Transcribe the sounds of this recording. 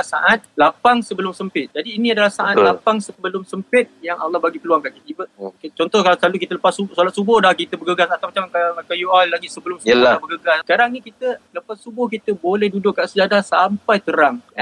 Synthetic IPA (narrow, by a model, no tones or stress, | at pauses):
saʔat̪̚lapaŋsəbəlʊmsəmpɪt̪̚d͡ʒadiːnĩadalasaʔat̪lapaŋsəbəlʊmsəmpɪt̪̚jaŋalːɑhbaɡipəluaŋkaʔkit̪ibəkt͡ʃɔnt̪ɔhkalat̪əslalukit̪ələpasusalat̪subʊhdahkit̪əbəɡəɡasat̪awmat͡ʃamkaakajuallaɡisəbəlʊmsəəabəɡəɡaskaɾaŋnĩkit̪ələpasːubʊhk̬it̪əbolɛhdudʊkːaʔsəd͡ʒadasampajt̪əɾaŋ